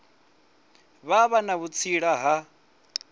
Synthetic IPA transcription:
βaβanaβut͡sʰiɺaɦa

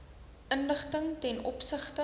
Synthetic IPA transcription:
ʔənləχtəŋtɛnʔɔ̰psəχtə

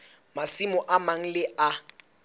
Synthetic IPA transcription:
masimʊʔamaŋ̩lɪʔa

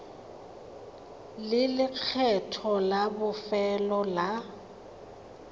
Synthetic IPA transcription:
lɪlɪk͡xʰɛtʰɔlabʊfɛlɔla

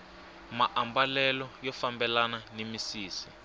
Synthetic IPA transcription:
maʔambalɛlɔjɔfambɛlananemisiːsi̥

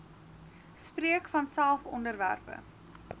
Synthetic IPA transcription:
spriəkfɐnsælˠfɔndərvæ̰rpə̰

